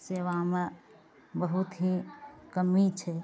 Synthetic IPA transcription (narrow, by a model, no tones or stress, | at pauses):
seːʋaːme | bəɦut̪ɦikəmit͡ʃʰɛ